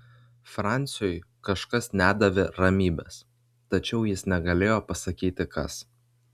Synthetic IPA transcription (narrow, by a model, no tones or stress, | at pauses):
fɾɑˑnʲt̪sʲɪjɔɪkɐʃkɐsnʲæːd̪ɐʋʲɪɾɐmʲiːbʲɛ̰s | t̪ɐt͡ʃʲɛʊjɪsnʲɛɡɐlʲeːjoːpɐsɐkʲiːt̪ʲɪkɐs